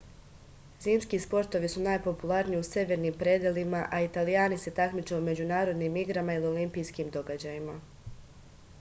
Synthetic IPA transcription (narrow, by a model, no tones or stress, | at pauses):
ziːmskiːspo̞ɾt̪o̞ʋisunaːjpo̞pulˠaɾniiuse̞ʋe̞ɾniːmpɾed̪elimaʔait̪alijaːnise̞t̪akmit͡ʃeume̞d͡ʑunaːɾo̞d̪niːmiɡɾamailio̞limpijskiːmd̪o̞ɡad͡ʑajima